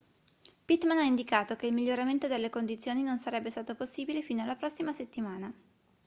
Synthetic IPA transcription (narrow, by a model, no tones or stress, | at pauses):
pit̪manaind̪ikaːt̪okeilmiʎːoɾament̪od̪elːekond̪it̪sːjoːninonsaɾɛbːest̪aːt̪oposːiːbilefiːnoalːapɾɔsːimaset̪ːimaːna